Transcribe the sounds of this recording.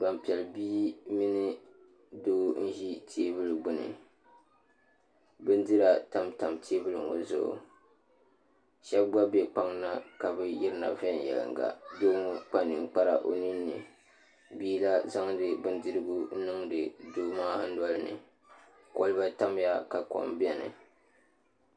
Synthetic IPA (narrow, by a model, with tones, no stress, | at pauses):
ba˨mpi˨ɛ˨lbiː˦mi˦nɨ˦ | doː˦n̩˦ʒi˦tʰi˦e˦bɨ˦lɨ˨ɡ͡bʊ˦nɨ̰˨ | bɨ˦n˦dɨ˦ɾa˨ta˨mta˨mtʰe˦bɨ˦lɨ̰˨ŋo̰˨zʊ̰˨ʊ̰˨ | ʃɛ˦bɡ͡ba˦be˦k͡pa˦ŋna˦ka˨bɨ˦jɪ˦ɾɨ˦na̰˨vɛ˦˨n˨jɛ̰˨lɨ̰˨ŋɡa̰˨doː˦mu˦k͡pa˦nɨ˨ŋ̩˦k͡pa˦ɾa̰˨ʔo˨nɨ˦nːɨ˨ | biː˦la˦za˦ŋdɨ˨bɨ˦n˦dɨ˦ɾɨ˦ɡu˦n̩˦nɨ˦ŋdɨ˨doː˦maː˦h̩˦dɔ˦lɨ˦nɨ̰˨ | ko˦lɨ˦ba˦ta˦mja˦ka˨kɔ̰˨mbɛ˨nɨ̰˨